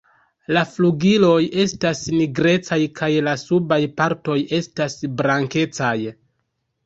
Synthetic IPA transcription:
lafluɡilo̞je̞stasniɡɾe̞t͡sajkʰajlasubajpaɾto̞je̞stasbɾaŋke̞t͡saj

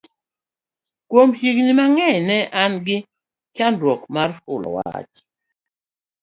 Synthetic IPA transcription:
kwomhiɡnimaŋɛɲnɛʔanɡɪ | t͡ʃanɾwɔkmarʊ̰lɔ̰wa̰t͡ʃ

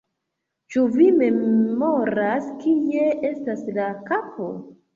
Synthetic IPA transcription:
t͡ʃuvime̞mo̞ɾaskieʔestaslakapo̰

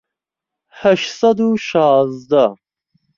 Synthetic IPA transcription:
hæʃsad̪uʃɑːzd̪a

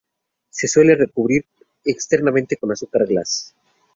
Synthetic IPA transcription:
se̞swe̞le̞re̞kuβɾiɾ | ekst̪e̞ɾnamẽ̞nt̪e̞ko̞nasukaɾɣlas

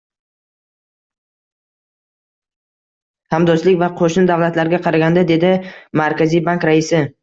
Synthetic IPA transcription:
hamd̪ɒslɪkʲvaqʰoʃnɪd̪avlat̪laɾɡʲaqʰɑɾaɡʲand̪ad̪e̞d̪ɪmaɾkʲʰazijbaŋkɾaɪsɪ

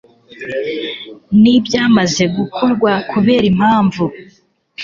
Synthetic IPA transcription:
nibjaːmaze̞ɡukʰo̞ɾɡwakuβe̞ːɾim̥haːɱvu

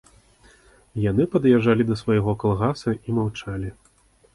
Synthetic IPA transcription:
janɨpɐd̪jɛʐalʲid̪ɐsvɐjɣɔkalˠɣasɐimawt͡ʂalʲi

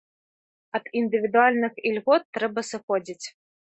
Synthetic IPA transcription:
ɐd̪ind̪ɨvʲid̪ualʲnɨxilʲɣɔt̪ːɾɛbɐsɨxɔd͡zʲit͡sʲ

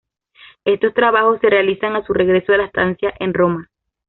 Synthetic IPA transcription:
e̞st̪o̞st̪ɾaβaxo̞sːe̞re̞alisaŋasure̞ɣɾe̞soðelaest̪ansjaʔe̞nro̞ma

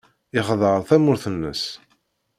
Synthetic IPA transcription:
ɪχðˤəɾˤθæmʊɾθənːə̰s

